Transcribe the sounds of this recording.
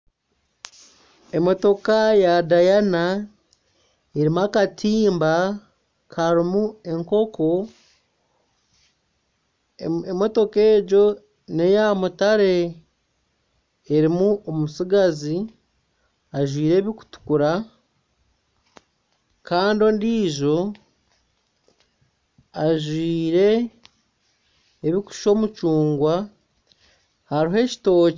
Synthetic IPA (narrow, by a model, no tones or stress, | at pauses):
e̞mo̞to̞kajadajana | eɾimuakatʰiːmba | kaɾimue̞ŋko̞ko | emo̞to̞ke̞ːɟo̞ | ne̞jamutaɾe̞ | ɾimuomusiɡazi | aʒwiːɾe̞ːβiku̥tu̥kuɾa | kaːndio̞ːndiːʒo̞ | aʒwiːɾe̞ | βiku̥ʃo̞ːmut͡ʃuːŋɡwa | haɾiɦe̞ci̥to̞ː